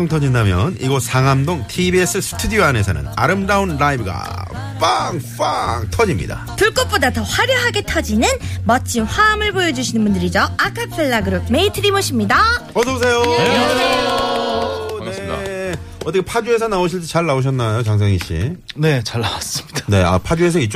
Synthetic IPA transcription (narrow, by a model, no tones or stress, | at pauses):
oŋtʰʌd͡ʑindamjʌ̰nḭɡʌsaŋɦamdoŋtʰibie̞s͈ʰɯsʰɯ̥tʰudioane̞sʰʌnɯ̰na̰ɾɯmdaunɾaibɯɡa̰ | p͈aŋp͈aŋtʰʌd͡ʑimɲḭda̰tɯɭk͈op͈odatʌɸwaɾjʌɦaɡe̞tʰʌd͡ʑinɯnmʌt͡ɕ͈ʰinɸwaːmɯɭbojʌd͡ʑuɕʰinɯnbundɯɾid͡ʑoakʰapʰɯɭːaɡɯɾome̞itʰɯɾimoɕʰimɲidaʌsʰʌbs̬ʰe̞joo | ne | ʌt͈ːʌkʰepʰad͡ʑue̞sʰʌnaoɕ̬ʰiɭt͡ɕ͈it͡ɕaɭːaoɕ̬ʰʌnːajot͡ɕaŋs̬ʰaŋiɕ͈ʰḭne̞t͡ɕaɭːawas͈ɯmɲid̥ane̞a̰pʰad͡ʑues̬ʰʌit͡ɕ͈